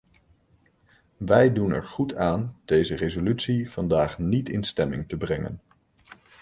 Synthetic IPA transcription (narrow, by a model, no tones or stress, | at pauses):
ʋɛjdunɛ̰ɹχutaːnd̥ejzərezolytsiv̥ɑndaːχnitɪ̰nstɛmɪ̰ŋtəbrɛŋə̰n